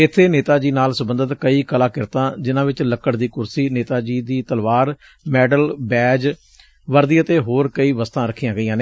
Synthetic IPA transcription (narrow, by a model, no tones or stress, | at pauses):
ɪt̪ʰːeːneːt̪aːd͡ʒiːnaːlsəbənd̪ət̪kəiːkəlaːkɪɾt̪ãːd͡ʒɪnãːʋɪt͡ʃləkːəɽd̪iːkʊɾsiːneːt̪aːd͡ʒiːd̪iːt̪əlʋaːɾ | mɛːɖəlbɛːd͡ʒ | ʋəɾd̪iːət̪eːɦoːɾkəiːʋəst̪ãːɾəkʰːiːjãːɡəijãːne